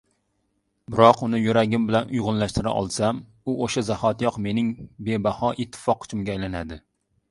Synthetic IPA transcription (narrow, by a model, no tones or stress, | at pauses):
bɪɾɒqʊnɪjuɾæɡʲɪmbɪlænʔʊjʁʊnlæʃt̪ɪɾa̰ʔɒ̰lˠsam | uʔoʃazahɒt̪jɒqmenɪŋbebahɒʔɪt̪ʰːɪ̥fɒqːʰʊ̥t͡ʃʰɪmɡʲɛːjlanæd̪ɪ